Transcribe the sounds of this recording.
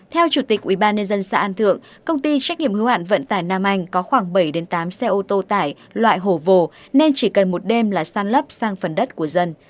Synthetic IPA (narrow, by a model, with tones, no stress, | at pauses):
t̪ʰɛ˧wt͡ɕu˧˩t̪i˨˩k̚ʔwi˧˩ɓaː˧nɲə˧nzə˧nsa̰ː˧ʔa˧nt̪ʰɨ̰˧˨əŋ | kə˧wŋ͡mt̪i˧t͡ɕa˦˥k̟̚ɲḭ˧˨əmhɨ˨˦ha̰ː˧˨nvə̰˧˨nt̪aː˧˩jnaː˧mʔa˧jŋ̟kɔ˨˦xwaː˧˩ŋɓə˧˩jɗe˨˦nt̪aː˨˦msɛ˧ʔo˧t̪o˧t̪aː˧˩j | lwa̰ː˧˨jɦo˧˩vo˨˩ | ne˧nt͡ɕi˧˩kə˨˩nmo˨˩t̚ɗe˧mlaː˨˩saː˧nlə˦˥p̚saː˧ŋfə˨˩nɗə˦˥t̚ku˧˩əzə˧n